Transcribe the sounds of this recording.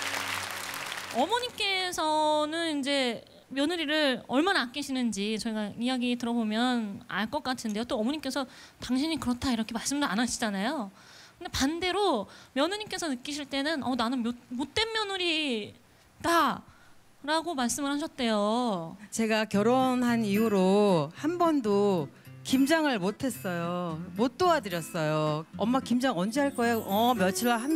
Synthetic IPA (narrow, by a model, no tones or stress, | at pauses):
ʌmʌɲik͈e̞sʰʌnɯnind͡ʑe̞ | mjʌnuɾiɾɯɾʌɭmanaːk͈iɕʰinɯnd͡ʑit͡ɕʌiɡaijaɡitɯɾʌbomjʌna̰ɭk͈ʌk͈atʰɯnde̞jot͈oʌmʌɲik͈e̞sʰʌ | taŋɕʰiɲikɯɾʌtʰaiɾʌkʰe̞maɭs͈ɯmdɯɾanaɕʰid͡ʑanajo | kɯnde̞pande̞ɾomjʌnuɲimk͈e̞sʰʌnɯk͈iɕʰiɭt͈e̞nɯnʌnanɯnmjomot͈e̞nmjʌnuɾi | da | ɾaɡomaɭs͈ɯmɯɭhaɕ̬ʰʌt̚t͈e̞jot͡ɕe̞ɡakjʌɾonɦaniuɾohanbʌndokimd͡ʑaŋɯɭmotʰe̞s͈ʌjomot͈oadɯɾjʌs͈ʌjoʌmːakimd͡ʑaŋʌnd͡ʑiɦaɭk͈ʌejoʌmjʌt͡ɕʰiɭːaɦan